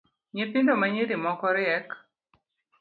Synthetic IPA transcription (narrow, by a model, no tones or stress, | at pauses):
ɲepɪndomaɲedimɔkɔɾɪɛk